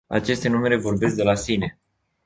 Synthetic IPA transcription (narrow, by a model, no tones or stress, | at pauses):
a̰t͡ʃe̞st̪e̞nume̞ɾe̞vo̞rbe̞sk̚d̪e̞lasine̞